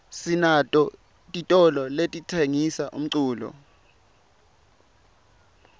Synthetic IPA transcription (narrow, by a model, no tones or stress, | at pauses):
sinatʼɔ | tʼitʼɔlɔletʼitʰeŋisaʔṵm̩ǀuːlɔ̰